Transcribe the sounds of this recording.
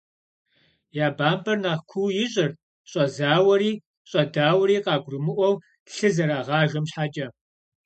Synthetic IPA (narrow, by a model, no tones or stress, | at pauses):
jaːbaːmbɐrnaːχkʷʰuwjɪɕʼɪr | ɕʼɐzaːwɐɾiː | ɕʼɐdaːwɐɾiːqɑːɡʷrɨmɨʔʷɔw | ɬɨzɐɾaːʁɑːʒɐmɕħat͡ʃʼɐ